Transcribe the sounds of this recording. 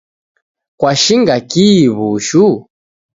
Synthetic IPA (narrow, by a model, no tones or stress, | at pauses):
kwaʃiŋɡakiiβuʃu